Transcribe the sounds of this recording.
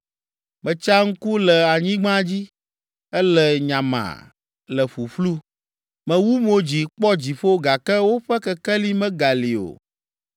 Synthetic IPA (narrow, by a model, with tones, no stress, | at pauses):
mɛ̃˨t͡ʃa˦ŋ̩˦ku˦lɛ˨a˨ɲĩ˦ɡ͡bã˦d͡ʑi˦ | ɛ˦lɛ˨ɲã˨mã̰˨ | lɛ˨ɸu˨ɸlu˦ | mɛ̃˨wu˦mo˨d͡ʑi˨k͡pɔ˦d͡ʑi˨ɸo˦ɡa˨kɛ˦wo˦ɸɛ˦kɛ˨kɛ˦li˦mɛ̃˦ɡa˨li˨o̰˨